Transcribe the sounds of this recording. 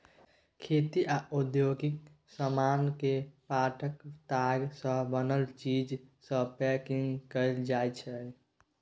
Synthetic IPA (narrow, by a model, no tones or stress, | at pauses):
kʰet̪iʔaʔud̪joɡɪk | səmankepaʈʰəkt̪aɡsə̃bənəlt͡ʃid͡ʒsə̃pɛkĩŋɡkəɪld͡ʒajt͡ʃʰə